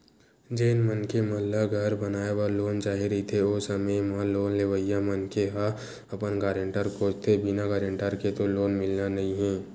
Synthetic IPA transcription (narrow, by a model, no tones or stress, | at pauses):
d͡ʒeːnmənkeməlːaɡʱəɾbənaːebaɾloːnt͡ʃaːɦiɾəɦit̪ʰeoːsəməjmaloːnleʋəjamənkeɦa | ɐpənɡaːɾə̃ɳʈəɾkoːt͡ʃt̪ʰebɪnaɡaːɾə̃ɳʈəɾket̪oloːnmɪlnanɐɦĩɦɛ̃ː